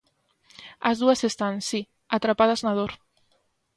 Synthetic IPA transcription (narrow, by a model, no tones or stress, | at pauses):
azðuasest̪ansi | at̪ɾapaðaznað̞oɾ